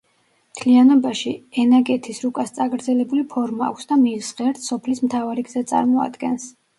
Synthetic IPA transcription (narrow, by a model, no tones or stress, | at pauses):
mt̪ʰlianɔbaʃiɛnaɡʼɛt̪ʰisɾukʼast̪sʼaɡɾd̪zɛlɛbulipʰɔɾmaa̰kʷʰsd̪amisʁɛɾt̪sɔpʰlismt̪ʰavaɾiɡz̥ɛt̪sʼa̰ɾmɔa̰d̪ɡɛns